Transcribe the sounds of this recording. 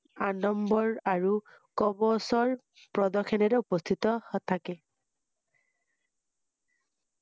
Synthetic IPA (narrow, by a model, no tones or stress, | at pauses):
anɔmbɔɹaɹu | kɔbɔsɔɹ | pɹɔdɔkʰɔnɛɹɛupɔst̪ʰitɔhɔt̪ʰakɛ